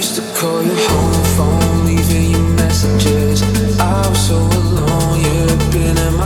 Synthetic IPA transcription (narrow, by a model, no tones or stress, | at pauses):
stɨkʰɔlˠjə˞hõʊ̃mfɹʌ̃mlivɪ̃ŋjə˞mɛsɨd͡ʒɪ˞z | aɪsoʊlɔ̃ŋjɨ | bɪ̃nɪ̃nm